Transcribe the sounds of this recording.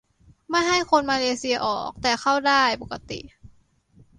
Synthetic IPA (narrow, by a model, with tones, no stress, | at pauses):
ma˥˩jɦa˥˩jkʰo˧nmaː˧leː˧si˧ɐ˧ʔɔː˨˩k̚t̪ɛː˨˩xʰa˥˩wdaː˥˩jpo˨˩kːa˧t̪ḭ˨˩